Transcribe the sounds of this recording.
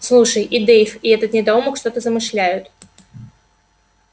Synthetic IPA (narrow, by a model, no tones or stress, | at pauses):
slˠuʂəjʔid̪ejfɪɛt̪ət̪nʲɪd̪auməkʂt̪o̞t̪əzəmɨʂlʲæjʊt̪